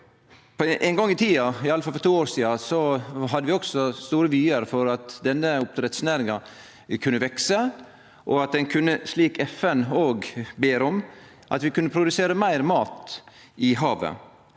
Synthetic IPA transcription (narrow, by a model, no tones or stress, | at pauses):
pʰɔʔæɪŋɡɔŋːɪt̪ʰiːɑɪɑləfɑlfɔɾʈt̪uːoːɾʂiːɑsɔɦɑd̪ːəʋɪɔɡsɔst̪uːɾəʋyːəɾfɔɾɑt̪d̪ɛnːəʊp̚t̪ʰɾɛt̪snæːɾɪŋɑ | kʰʉnːəʋɛksə | ʔɔɑt̪̚d̪ɛnkʰʉnːəsliːkɛfɛnoːɡbeːɾɔm | ʔɑ̰t̪ʋɪkʉnːəpʰɾʊd̪ʉseːɾəmæɪɾmɑːt̪ | ɪɦɑːʋə̰